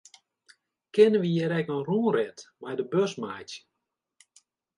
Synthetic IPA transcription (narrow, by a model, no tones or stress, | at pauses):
kɪnənʋəjɛɾɛkənruːrɛtmɛjdəbøsmajtə